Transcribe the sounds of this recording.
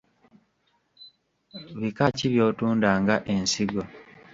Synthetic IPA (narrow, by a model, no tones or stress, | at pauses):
βikaciβjo̞ːtuːndaːŋɡaʔe̞nsiɡo̞